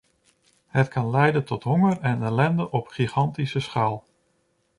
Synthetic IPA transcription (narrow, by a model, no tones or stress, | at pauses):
hətkɑnlɛjdəntɔtɦɔŋərɛnɛlɛndəʔɔpχiχɑntisəsχaːlˠ